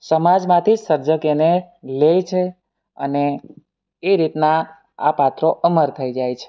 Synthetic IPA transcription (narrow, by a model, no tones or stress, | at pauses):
səmad͡ʒmãt̪ʰisəɾd͡ʒəkene | lejt͡ʃʰe | ə̰neː | ɾit̪na | a̰pat̪ɾoʔəməɾt̪ʰəid͡ʒajt͡ʃʰe̥